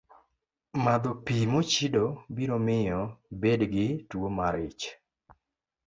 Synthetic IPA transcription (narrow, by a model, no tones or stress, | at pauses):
mad̪opimot͡ʃidobinomɪjɔbedɡɪtwomaɾɪt͡ʃ